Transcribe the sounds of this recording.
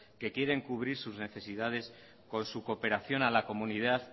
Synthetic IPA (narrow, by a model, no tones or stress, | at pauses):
ke̞kje̞ɾe̞ŋkuβ̞ɾiɾsuzne̞θe̞siðað̞e̞s | ko̞nsuko̞pe̞ɾaθjo̞nalako̞muniðað